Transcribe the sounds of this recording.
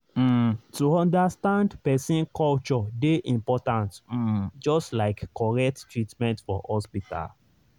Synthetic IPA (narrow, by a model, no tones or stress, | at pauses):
m̩tuɔ̃ndastãndpɛsĩnkɔlt͡ʃɔdeʔĩmpɔtãntm̩d͡ʒɔstlaɪkkːɔɹɛk̚ttɹitmɛ̃ntfɔ̰hɔspita̰l